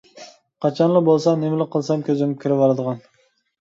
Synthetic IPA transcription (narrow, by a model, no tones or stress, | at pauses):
qʰɑt͡ʃʰɑnlˠɪbolˠsɑnemlɪqʰɨlˠsɑmkʲʰɵzɪnɪkʲʰɪɾɪpɑlˠɑd̪ɨʁɑn